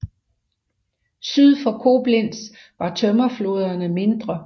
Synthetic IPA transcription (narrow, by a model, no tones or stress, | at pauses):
syð̞ˠfɒ̽kʰo̝b̥len̰s | ʋɑ̈t͡sʰœmɐflo̝ːð̞ˠɐnəme̝nd̥ʁɐ